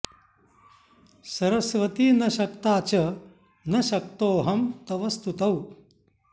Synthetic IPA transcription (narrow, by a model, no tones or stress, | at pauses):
sɐɾɐsʋɐt̪inɐʃɐkt̪aːt͡ʃɐ | nɐʃɐk̚t̪oːɦɐmt̪ɐʋɐst̪ut̪ɐw